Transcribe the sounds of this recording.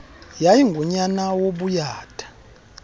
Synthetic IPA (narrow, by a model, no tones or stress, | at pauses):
jajiŋɡʱɔɲanawoɓujaːtʰʼḁ